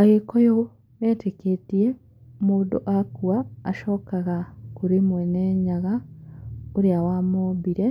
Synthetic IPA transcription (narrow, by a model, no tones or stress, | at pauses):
aɣekojo | eteketie | moːdo̰ʔakuwaːʃoːkaɣakuɾimweneːɲaɣa | oɾjawamobiɾe